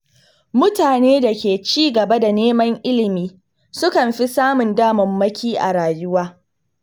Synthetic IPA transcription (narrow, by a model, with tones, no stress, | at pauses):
mʊ˦taː˨neː˦da˨kʲeː˨t͡ʃiː˦ɡɐ˨bɐ˦da˨neː˦mɐ˦ŋʔɪ˦lɪ˨miː˦ | sʊ˦kɐ˨mɸi˦saː˦mʊ˨ndaː˦mɐ˨mːɐ˦kʲiː˦ʔa̰˨ɽaː˨jʊ˦waː˦